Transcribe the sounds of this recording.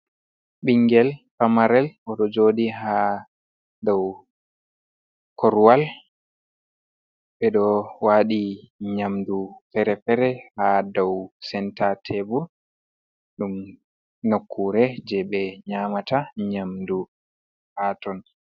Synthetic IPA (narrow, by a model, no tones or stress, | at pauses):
ɓiŋɡɛlfamaɾɛlʔɔɗɔd͡ʒoːdiɦa | dɔw | kɔɾwal | ɓɛɗɔwaːɗiɲamdufɛɾɛfɛɾɛhadɔwsɛntatʰɛbuɾ | ɗum | nokʰːuɾɛd͡ʒɛɓɛɲaːmataɲamdu | hatɔn